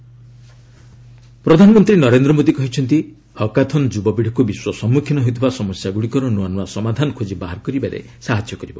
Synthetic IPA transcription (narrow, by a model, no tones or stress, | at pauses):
pɾɔd̪ʱanɔmɔnt̪ɾinɔɾend̪ɾɔmod̪ikɔɦit͡ʃʰɔnt̪i | hɔkat̪ʰɔnd͡ʒubɔbiɽʰʱɔkubiswɔsɔmːukʰjinɔɦet̪ʰibasɔmɔsjaɡuɽikɔɾɔnuanuasɔmad̪ʱanɔkʰod͡ʒibaɦaɾkɔɾibaɾḛ | saɦad͡ʒjɔkɔɾibɔ